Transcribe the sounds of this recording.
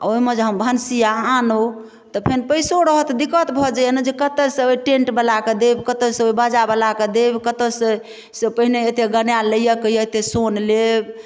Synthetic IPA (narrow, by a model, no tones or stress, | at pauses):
a̰oiməd͡ʒɦəmbʱənsijaano | t̪ɔpʰenpəjsoɾəɦət̪d̪ikət̪bʱɔd͡ʒajenəd͡ʒekət̪əsẽoiʈẽɳʈbəlaked̪ebkət̪əsə̃oibad͡ʒabəlaked̪ebkət̪əsẽ | sepəɦineet̪eɡənjaləjəkəjəet̪esonleb